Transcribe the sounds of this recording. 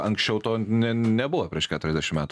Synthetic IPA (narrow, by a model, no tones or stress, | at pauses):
ɐŋksʲt͡ʃʲɛʊt̪oːnʲɛnʲɛbʊʋɐpʲɾʲiɛʃkʲæːt̪ʊɾʲɛzd̪ʲæɛʃʲɪmæːt̪ː